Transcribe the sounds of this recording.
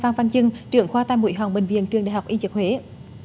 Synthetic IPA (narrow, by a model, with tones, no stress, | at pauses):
vaː˧ŋfaː˧nt͡ɕɨ˧ŋt͡ɕɨ̰˧˩əŋxwaː˧t̪aː˧jmṵ˧˩˥jɦɔ˨˩ŋɓï˨˩ŋ̟vḭ˧˨ənt͡ɕɨ˨˩əŋɗa̰˧˨jɦa˨˩k͡pʔi˧t͡ɕɨ˨˩k̚hwe˨˦